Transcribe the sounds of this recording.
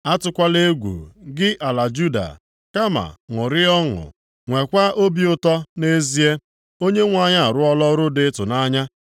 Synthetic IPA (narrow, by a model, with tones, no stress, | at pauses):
a˦tʊ˦kʷa˦le˦ɡʷṵ˨ɡɪ˦ʔa˨la˨d͡ʒu˦da̰˨ | ka˦ma̰˨ŋʊ˨ɾɪ˦ɔ˦ŋʊ̰˨ | ŋʷe˨kʷa˦ʔo˦bi˦ʊ˦tɔ˦ne˦zi˦e˦ | o˦ɲe˦ŋʷa˨ɲa˦a˨ɾʊ˦ɔ˦lɔ˦ɾʊ˦dɪ˦tʊ˨na˦ɲa˦